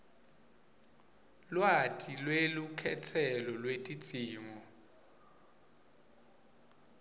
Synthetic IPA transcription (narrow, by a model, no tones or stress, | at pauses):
lwatʼilwelukʰɛtʰɛlɔlwetʼid̥ʱiːŋɔ